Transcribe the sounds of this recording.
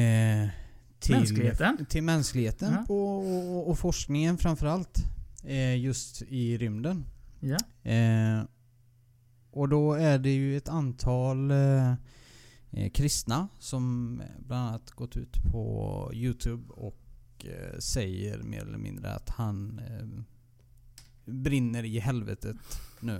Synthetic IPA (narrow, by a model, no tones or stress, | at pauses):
t̪ʰɪlt̪ʰɪlmɛnsklɪɡheːt̪ənpʰɔː | fɔʂknɪŋənfɾamfœɾalt̪ | jɵst̪ɪɾʏmd̪ən | ɔd̪ɔæɖɛjɵɛt̪ant̪ʰɑːl | kʰɾɪst̪nasɔmblananat̪ɡɔt̪ːʉ̟̰ːt̪pʰɔ̰jʉ̟ːt̪ʰʉːbɔ̰k | sɛjə̰ɾmḛːɾɛl̰ːə̰mɪ̰̃nd̪ɾə̰a̰t̪han | bɾɪnːəɾɪɦɛlvə̰t̪ʰət̪nʉ̟ː